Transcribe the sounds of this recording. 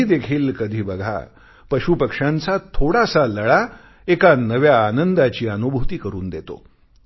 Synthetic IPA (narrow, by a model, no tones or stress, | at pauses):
iːd̪ekʰiːlkəd̪ʱiːbəɡʱa̰ | pəɕupəkʂãnt͡sat̪ʰoɽasaləɭa | ekanəʋjaːnənd̪at͡ɕiːənubʱut̪iːkəɾuːnd̪et̪o̰